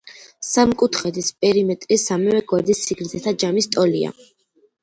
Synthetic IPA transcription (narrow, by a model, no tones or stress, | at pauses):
samkʼut̪ʰχɛd̪ispʼɛɾimɛt̪ʼɾisamɛvɛɡwaɾd̪isːiɡɾd̪zɛt̪ʰad͡ʒamist̪ʼɔlia̰